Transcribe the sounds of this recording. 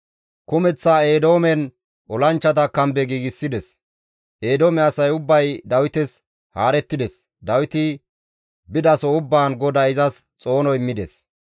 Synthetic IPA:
kʊmɛt͡sːaːe̞ːd̪o̞ːmɛn | ɔlɐnt͡ʃːɐt̪̬ɐkɐmbɛɡiːɡɪsːɪd̪ɛs | ʔe̞ːd̪oːmɛɐsɐjʊbːɐjd̪ɐwɪt̪ɛs | haːɾɛt̪ːɪd̪ɛs | d̪ɐwɪt̪ɪ | bɪd̪ɐsɔʊbːaːnɡɔd̪ɐɪzɐst͡sʼo̞ːnɔɪmːɪd̪ɛs

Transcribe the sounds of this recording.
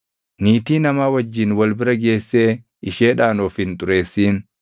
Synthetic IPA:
niːt̪iːnɐmaːwɐd͡ʒːɪnwɐlbɪɾɐɡe̞ːsːe̞ː | ɪʃeːᶑaːnoːfɪnt̪ʼʊɾe̞ːsːiːn

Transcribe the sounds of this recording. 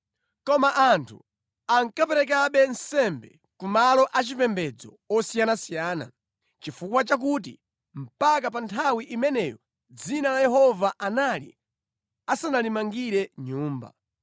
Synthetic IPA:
kɔmaʔantʰṵ | aŋkapɛɾɛk̬aɓɛnsɛmbɛ̰ | kumalɔʔat͡ʃipɛmbɛd͡zɔ̰ | ɔsijanasijaːna̰ | t͡ʃifukwat͡ʃak̬ut̬i | m̩pak̬apantʰawiʔimɛnɛjɔ̰ | d͡zinalajɛhɔvaʔanalḭ | asanalimaŋɡiɾɛɲuːmba̰

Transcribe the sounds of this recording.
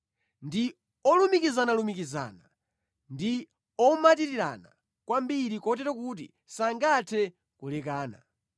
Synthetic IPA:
ndi | ɔlumikizanalumikiza̰ːna | ndi | ɔmatiɾiɾa̰na | kwambiɾikɔtɛɾɔkut̬ḭ | saŋɡatʰɛ | kulɛkaːna̰

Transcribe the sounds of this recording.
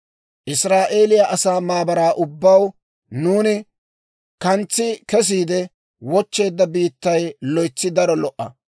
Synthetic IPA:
ʔɪsɾaːʔe̞ːlɪjaʔɐsaːmaːbɐɾaːʔʊbːɐw | nuːnɪ | kɐnt͡sːɪkɛs̬iːd̪ɛ | wɔt͡ʃːe̞ːd̪ːɐbiːt̪ːɐjlɔjt͡sːɪd̪ɐɾɔlɔʔːɐ̰

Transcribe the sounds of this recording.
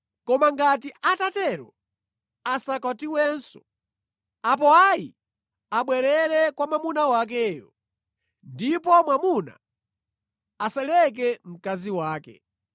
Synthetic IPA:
kɔmaŋɡatiʔatatɛɾɔ | asakatiwɛːnsɔ̥̰ | ap̬ɔajḭ | aɓwɛɾɛɾɛkwamamunawak̬ɛjɔ̰ | ndipɔmwamuna̰ | asɛlɛk̬ɛm̩kaziwaːkɛ̰

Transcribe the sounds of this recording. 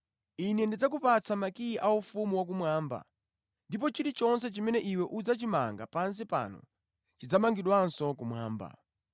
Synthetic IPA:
inɛndid͡zakupat͡sʰamakiiʔaufumuwak̬umwaːmba̰ | ndipɔt͡ʃiɾit͡ʃɔns̬ɛt͡ʃimɛnɛʔiwɛʔud͡zat͡ʃimaŋɡapans̬ipa̰nɔ̰ | t͡ʃid͡zamaŋɡiɗwansɔk̬umwaːmba̰

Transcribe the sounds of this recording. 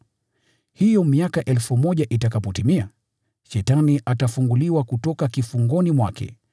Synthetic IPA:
hijɔmiakaʔɛlfumɔʄaʔitakapɔtimia | ʃɛtaniʔatafuŋɡuliwakutɔkakifuŋɡɔnimwakʰɛ̰

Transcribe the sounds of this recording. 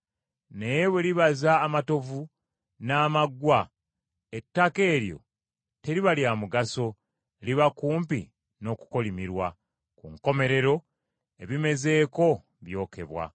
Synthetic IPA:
nejeβwe̞liβazaːmato̞vu | naːmaɡwa | etːake̞ːɾjo̞̰ | te̞ɾiβaljamuɡaso̞ | liβakuːmpḭ | no̞ku̥ko̞limiɾwa | kuŋko̞me̞ɾe̞ɾo̞ | e̞βime̞ze̞ːko̞ | βjo̞ːke̞̰βwa̰

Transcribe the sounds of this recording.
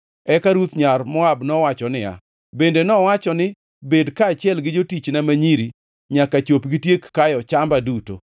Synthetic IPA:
ɛkaɾut̪ɲarmɔabnɔwat͡ʃɔnɪja̰ | bendenɔwat͡ʃɔnɪ | bedkaːt͡ʃɪɛlɡɪd͡ʒotit͡ʃnamaɲiɾi | ɲakat͡ʃopɡitjekːajɔt͡ʃambaduto̰

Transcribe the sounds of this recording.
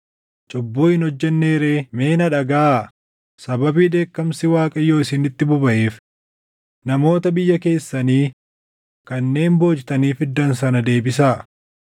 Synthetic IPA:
t͡ʃʼɔbːuːɪnɔd͡ʒːɛnːe̞ːɾe̞ːme̞ːnɐᶑɐɡaː | sɐbɐbiːd̪e̞ːkːɐmsɪwaːkʼɐjːo̞ːɪsɪnɪt̪ːɪbʊbɐʔeːf | nɐmo̞ːt̪ɐbɪjːɐke̞ːsːɐniː | kɐnːe̞ːmbo̞ːd͡ʒt̪ɐniːfɪd̪ːɐnsɐnɐd̪e̞ːbɪs̬aː

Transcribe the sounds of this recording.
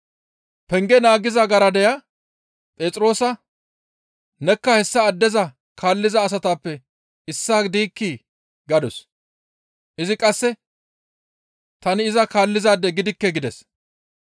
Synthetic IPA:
pɛŋɡɛnaːɡɪzɐɡɐɾɐd̪ɛjɐ | pʼe̞ːt͡sʼɾo̞ːsɐ | nɛkːɐhɛsːɐːd̪ːɛzɐ | kʰaːlːɪzɐːs̬ɐt̪aːpːɛ | ɪsːaːd̪iːkːi | ɡɐd̪ɔs | ʔɪzɪkʼɐsːɛ | t̪ɐnɪɪzɐkaːlːɪzaːd̪ːɛɡɪd̪ɪkːɛɡɪd̪ɛs

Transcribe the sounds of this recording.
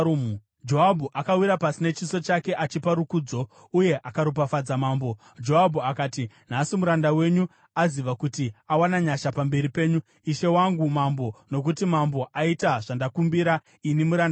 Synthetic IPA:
d͡ʒo̞ɦabʱuʔakawiɾapasinet͡ʃiso̞t͡ʃake̞ʔat͡ʃipaɾukuːd͡zo̞ | uje̞ʔakaɾup̬afad͡zamaːmbo̞ | d͡ʒo̞abʱuakaːti | n̤asimuɾandawe̞ɲu | aziʋakutiawanaɲaʃapambe̞ɾipe̞ːɲu | iʃe̞waŋɡumambo̞no̞k̬utimambo̞ʔaitaʐandakumbiɾa | inimuɾaːndaa

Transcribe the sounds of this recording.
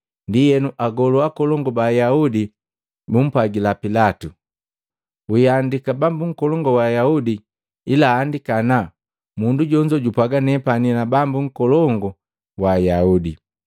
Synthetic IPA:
ndijɛnuʔaɡɔluakɔlɔŋɡɔbajaudi | bum̩pwaɡilapilatu | uandikabambuŋ̩kɔlɔŋɡɔwajaudiː | laːndikana | munduɟɔɲd͡ʒɔɟupaɡanɛpaninabambuŋ̩kɔlɔŋɡɔ | wajaudi

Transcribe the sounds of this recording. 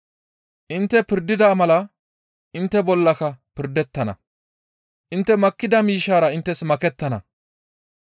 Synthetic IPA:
ʔɪnt̪ːɛpɪɾd̪ɪd̪aːmɐlɐ | ʔɪnt̪ːɛbɔlːɐkɐpɪɾd̪ːɛt̪ːɐnɐ̰ | ʔɪnt̪ːɛmɐkːɪd̪ɐmiːʃːaːɾɐɪnt̪ːɛsmɐkɛt̪ːɐnɐ

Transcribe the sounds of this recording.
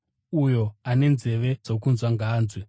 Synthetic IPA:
ujo̞ane̞nze̞ʋe̞d͡zokunzwaŋɡaːnzwe

